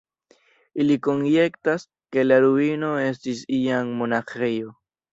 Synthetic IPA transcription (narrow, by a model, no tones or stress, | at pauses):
iliko̞nje̞ktas | ke̞laɾuino̞e̞stisiaŋmo̞naxejo̞